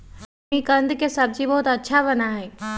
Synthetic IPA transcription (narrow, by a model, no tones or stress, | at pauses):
ikə̃nd̪kesɐb̚d͡ʑibɔɦʊt̪ɐtːʃʰabənaɦeː